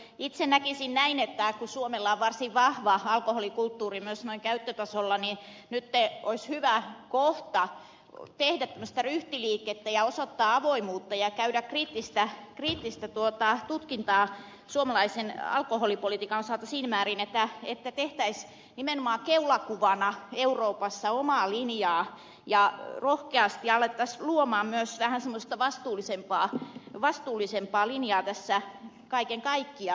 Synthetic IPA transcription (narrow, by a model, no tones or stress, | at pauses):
it̪senækisinnæinet̪ːækusuomelːɑoʋʋɑrsiʋʋɑhʋɑɑlkoholikult̪ːuːrimyøsnoiŋkæyt̪ːøt̪ɑsolːɑni | nyt̪ːeoishyʋækoht̪ɑ | t̪ehdæt̪ːæmːøst̪æryht̪iliːkːˑet̪ːæjɑosot̪ːɑːɑʋoimuːt̪ːɑjɑkæydækriːt̪ːist̪ækriːt̪ːist̪æt̪uot̪ɑt̪ut̪kint̪ɑː | suomɑlɑisenɑ̰lkoholipolit̪iːkɑnosɑːt̪ɑsiːnmæːrinet̪ːæet̪ːæt̪eht̪æis | nimenomɑːkeulɑkuʋɑnɑeuroːpɑsːɑomɑːlinjɑː | jɑrohkeɑst̪iɑlːˑet̪ːɑsluomɑːmmyøsʋæhænsemːost̪ɑʋɑst̪uːlˑisempɑːʋɑst̪uːlˑisempɑːlinjɑːt̪æsːæ | kɑikeŋkɑikːiɑ